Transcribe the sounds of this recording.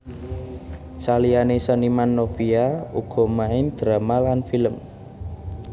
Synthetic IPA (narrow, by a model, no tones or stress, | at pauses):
salianesənimanːofiauɡ̥ɔ̤maɪnd̪̥ɾamalanfiləm